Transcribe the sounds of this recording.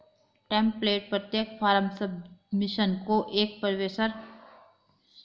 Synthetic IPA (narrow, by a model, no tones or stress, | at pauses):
ʈɛ̃ːmpːleːʈ̚pɾət̪jək̚fʰaːɾəmsəbmɪʃənkoʔeːk̚pəɾʋeːsəɾ